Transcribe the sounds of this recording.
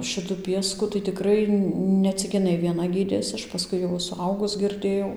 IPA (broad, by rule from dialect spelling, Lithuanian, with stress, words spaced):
ˈʃʲɪtʊ ˈpʲiɛskʊ tɐɪ tʲɪˈkrɐɪ nʲɛ ˈt͡sʲɪk ɪˈnɐɪ ʋʲiɛˈnɐ ˈɡʲiːdʲeːsʲɪ ˈɐʃ pɐˈskʊɪ jɛʊ sʊˈɐʊɡʊs ɡʲɪrʲˈdʲeːjɛʊ